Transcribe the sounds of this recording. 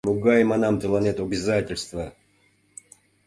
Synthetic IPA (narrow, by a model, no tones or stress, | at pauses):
muɡajmɐnamt̪ɨlˠanʲɛt̪uɐbʲɪzatʲɪlʲst̪və